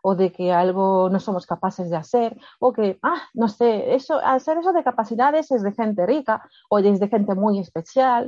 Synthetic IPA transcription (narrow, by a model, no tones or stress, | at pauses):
oðekealɣonõsomoskapaθezðeaθeɾokeanõseesoʔa̰seɾesoðekapaθiðaðezezðexent̪erika | oðezðexẽnt̪emujespeθjal